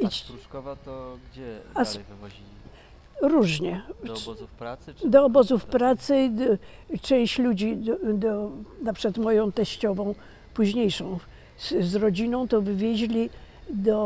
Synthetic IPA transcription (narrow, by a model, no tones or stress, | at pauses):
i | as | ɾuʐɲɛ | d̪ɔːbɔzufpɾat̪sɘ | t͡ʂɛ̃w̃ɕlud͡ʑid̪ɔnapʂɨ̥kat̪mɔjɔ̃w̃t̪ɛɕt͡ɕɔvɔ̃w̃ | puʑɲejʂɔ̃w̃ | zɾɔd͡ʑinɔ̃w̃t̪ɔvɘvʲjɛʑlʲid̪ɔ